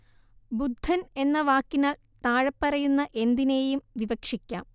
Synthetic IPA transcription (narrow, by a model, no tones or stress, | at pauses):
bud̪ʱːɐne̞nːɐʋaːkːinaːl | t̪aːɻɐpːɐrɐjunːɐʔe̞nd̪ine̞ːjumʋiʋɐkʂikʲːa̰ːm